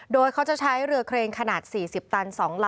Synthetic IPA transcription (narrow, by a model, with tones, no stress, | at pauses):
doː˧jkʰa˦˥wt͡ɕa˨˩ʔt͡ɕʰa˦˥jɾɯ˧əkʰɾeː˧ŋkʰa˧naː˨˩t̪̚siː˨˩si˨˩p̚t̪a˧nsɔː˩˦ŋla˦